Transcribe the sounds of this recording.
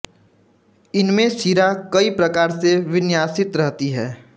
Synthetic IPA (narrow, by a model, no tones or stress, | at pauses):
ɪnmẽsiːɾakɐipɾɐkaːɾseʋɪnjaːsɪt̪ɾɛɦt̪iɦɛː